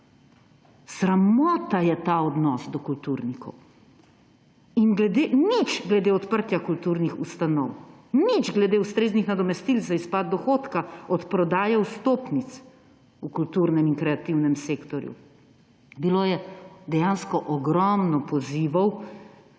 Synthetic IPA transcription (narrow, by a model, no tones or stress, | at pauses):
sɾamɔːt̪ajɛt̪aːɔd̪nɔsd̪ɔkult̪uːɾnikʰɔw | inɡlɛd̪eːnit͡ʃɡlɛd̪eːɔt̪pəɾt̪jakult̪uːɾnixust̪anɔwnid͡ʒɡlɛd̪eːust̪ɾeːznixnad̪ɔmɛst̪ilzaispad̪̚d̪ɔxoːt̪kaɔt̪pɾɔd̪aːjɛust̪oːpnit̪s | ukult̪uɾnɛminkɾɛat̪iwnɛmseːkt̪ɔɾjṵ | biloːjɛd̪ɛjanskɔʔɔɡɾɔmnɔpɔziːʋɔw